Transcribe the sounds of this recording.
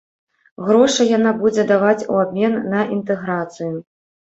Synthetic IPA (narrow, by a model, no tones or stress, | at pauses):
ɣɾɔʂɐjanabud͡zʲɛd̪avat͡sʲṵabʲmʲɛnːɐʔint̪ɛɣɾat̪sɨju